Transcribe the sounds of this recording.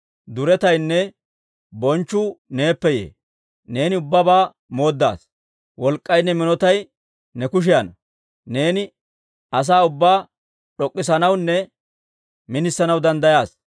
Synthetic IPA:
d̪ʊɾɛt̪ɐjnːɛ | bɔnt͡ʃːʊne̞ːpːɛjḛː | ne̞ːnɪʊbːɐbaː | mo̞ːd̪ːa̰ːs | wɔlkʼːɐjnːɛmɪnɔt̪ɐj | nɛkʊʃ̬ɪjɐnɐ | ne̞ːnɪ | ɐs̬aːʊbːaː | ɗɔkʼːɪsɐnɐwnːɛ | mɪnɪsːɐnɐwd̪ɐnd̪ɐjaːs

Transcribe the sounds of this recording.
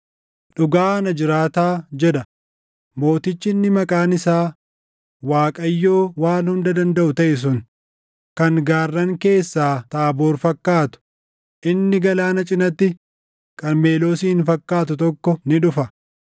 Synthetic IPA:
ᶑʊɡaːnɐd͡ʒɪɾaːt̪aːd͡ʒɛᶑɐ | mo̞ːt̪ɪt͡ʃːɪnːɪmɐkʼaːnɪsaː | waːkʼɐjːo̞ːwaːlhʊnd̪ɐd̪ɐnd̪ɐʔʊt̪ɐʔɪs̬ʊn | kɐŋɡaːrːɐŋke̞ːsːaːt̪aːbo̞ːɾfɐkːaːt̪ʊ̥ | ʔɪnːɪɡɐlaːnɐt͡ʃʼɪnɐt̪ːɪ | kʼɐnme̞ːlo̞ːsiːɪnfɐkːaːt̪̬ʊt̪ɔkːɔnɪᶑʊfɐ

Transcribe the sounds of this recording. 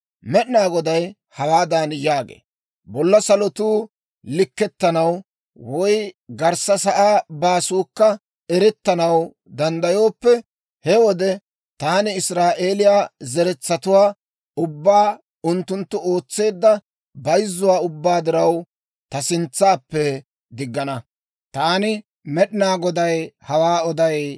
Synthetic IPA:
mɛʔnaːɡɔd̪ɐj | hɐwaːd̪aːnjaːɡḛː | bɔlːɐsɐlɔt̪uː | lɪkːɛt̪ːɐnɐw | wɔjɡɐɾsɐsɐʔaːbaːsuːkːɐ | ɛɾɛt̪ːɐnɐw | d̪ɐnd̪ɐjo̞ːpːɛ | hɛwɔd̪ɛ | t̪aːnɪɪsɾaːʔeːlɪjaːzɛɾɛt͡sːɐt̪ʊwaː | ʊbːaː | ʊnt̪ːʊnt̪ːʊo̞ːt͡sːe̞ːd̪ːɐ | bɐjzːʊwaːʊbːaːd̪ɪɾɐw | t̪ɐsɪnt͡sːaːpːɛ | d̪ɪɡːɐnɐ | t̪aːnɪ | mɛɗɪnaːɡɔd̪ɐjhɐwaːɔd̪ɐj

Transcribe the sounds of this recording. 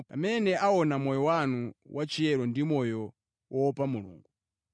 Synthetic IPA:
pa̰mɛnɛʔaɔnamɔjɔwanuwʔat͡ʃiɛɾɔndimɔjɔ | wɔpamulṵːŋɡu

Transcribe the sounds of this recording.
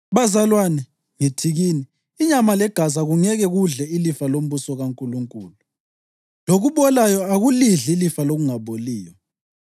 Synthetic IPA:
βazalwanɛ | ŋitʰiɣiːniː | ɲamalɛɡ̥ʱazaɣuŋɛɣɛɣuɮɛilifalom̩βusɔɣaŋkʼuluŋkʼṵːlu | loɣuβɔlajɔaɣuliɮilifaloɣuŋaβoliːjɔ

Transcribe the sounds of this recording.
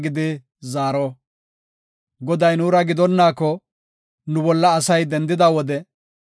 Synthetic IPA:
ɡɪd̪ɪ | zaːɾɔ | ɡɔd̪ɐjnuːɾɐɡɪd̪ɔnːaːkːɔ | nʊbɔlːɐːsɐjd̪ɛnd̪ɪd̪awɔd̪ɛ

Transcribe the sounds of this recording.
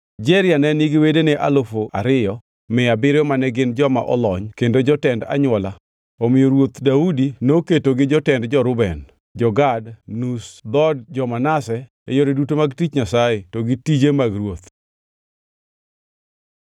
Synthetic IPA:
d͡ʒɛɾɪanɛnɪɡɪwedenɛʔalofoʔa̰ɾɪjɔ | mɪabɪɾjɔmanɛɡɪnd͡ʒɔma̰ʔɔ̰lɔɲkendod͡ʒɔtɛnda̰ɲwɔla | omɪjɔɾwot̪daudinoketoɡɪd͡ʒɔtɛndd͡ʒɔɾʊbɛn | d͡ʒɔɡadnusd̪ɔdd͡ʒɔmanasɛ | ejoɾedutomaɡtit͡ʃɲasajetɔɡitid͡ʒemaɡɾwot̪

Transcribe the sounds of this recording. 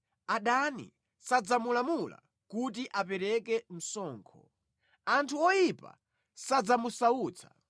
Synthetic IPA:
aɗanḭ | sad͡zamulamula̰ | kut̬iʔapɛɾɛkɛm̩sɔːŋkʰɔ̰ | antʰuɔjipa̰ | sad͡zamusauːt͡sʰḁ

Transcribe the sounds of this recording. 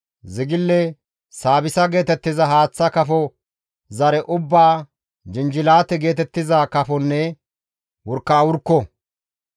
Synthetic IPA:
zɪɡɪlːɛ | saːbɪsɐɡe̞ːt̪ɛt̪ːɪzɐɦaːt͡sːɐkɐfɔ | zɐɾɛʔʊbːaː | d͡ʒɪnd͡ʒɪlaːt̪ɛɡe̞ːt̪ɛt̪ːɪzakɐfɔnːɛ | wɔɾkːaːwʊɾkːɔ

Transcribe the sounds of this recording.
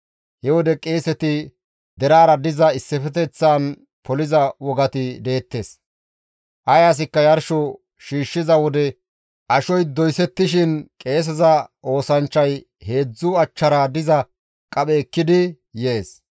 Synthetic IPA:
hɛwɔd̪ɛkʼe̞ːsɛt̪ɪ | d̪ɛɾaːɾɐd̪ɪzɐɪsːɛfɛt̪ɛt͡sːaːn | pɔlɪzɐwɔɡɐt̪ɪd̪e̞ːt̪ːe̞ːs | ʔɐjaːs̬ɪkːɐjɐɾʃɔ | ʃiːʃːɪzɐwɔd̪ɛ | ʔɐʃɔjd̪ɔjsɛt̪ːɪʃɪnkʼe̞ːs̬ɛzɐʔo̞ːsɐnt͡ʃːɐj | he̞ːd͡zːʊɐt͡ʃːɐɾaːd̪ɪzɐ | kʼɐɓɛkːɪd̪ɪ | je̞ːs

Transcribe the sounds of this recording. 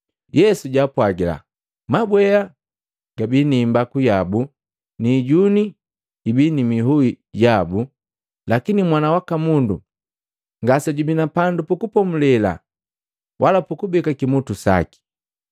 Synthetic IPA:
jɛsuɟaːpwaɡila̰ | mabwɛa | ɡabinimbakujabu | niɟuni | ibinimiɦui | ɟabu | lakinimwanawakamundu | ŋɡasaɟubinapandupukupɔmulɛla̰ | wʔalapukubɛkakimutusa̰ki̥

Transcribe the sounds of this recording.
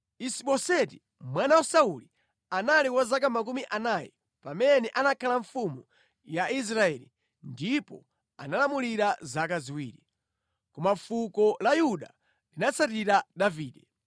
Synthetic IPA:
isiɓɔsɛti | mwanawasauli | analiwazak̬amakumiʔanajɛ̰ | pamɛnɛʔanakʰalaɱfumu | jais̬ɾaɛli | ndipɔ̰ | a̰nalamuliɾazakaziwḭːɾi | kɔmafukɔlajuɗa | linat͡sʰatiɾadaviːɗɛ

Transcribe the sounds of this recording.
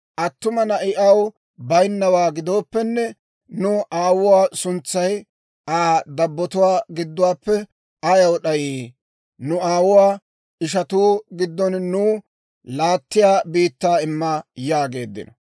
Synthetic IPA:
ʔɐt̪ːʊmɐnɐʔɪʔɐw | bɐjnːɐwaːɡɪd̪o̞ːpːɛnːɛ | nʊʔaːwʊwaːsʊnt͡sːɐj | aːd̪ɐbːɔt̪ʊwaːɡɪd̪ːʊwaːpːɛ | ɐjɐwɗɐjiː | nʊaːwʊwaː | ɪʃ̬ɐt̪uːɡɪd̪ːɔnnuː | laːt̪ːɪjaːbiːt̪ːaːɪmːɐjaːɡe̞ːd̪ːɪ̰nɐ

